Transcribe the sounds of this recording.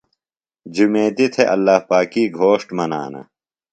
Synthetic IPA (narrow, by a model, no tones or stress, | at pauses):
d͡ʑumeːt̪it̪ʰeʔɐlːaːhpaːkiːɡʱoːʂʈmɐna̰ːnɐ̰